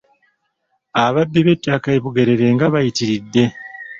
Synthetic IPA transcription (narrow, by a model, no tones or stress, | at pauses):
aβabːiβetːakaeβuɡe̞ɾe̞ɾe̞ŋɡaβajitiɾidːe̞